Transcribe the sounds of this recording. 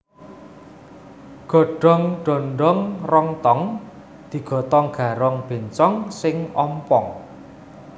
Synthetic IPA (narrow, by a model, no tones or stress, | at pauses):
ɡ̥ɔ̤ɖ̥ɔ̤ŋɖ̥ɔ̤ɳɖɔŋrɔŋt̪ɔŋ | d̪̥i̤ɡ̥ɔ̤t̪ɔŋɡ̥ä̤ɾɔŋb̥e̤nt͡ʃɔŋsɪŋɔ̰mpɔŋ